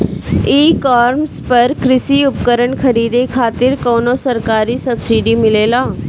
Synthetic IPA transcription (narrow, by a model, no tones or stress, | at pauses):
iːkaːɾmspɐɾkɾɪsiʊpkəɾəɳkʰɐɾiːd̪ekʰaːt̪ɪɾkoːnosɐɾkaːɾisɐbsiːɖimɪleːlaː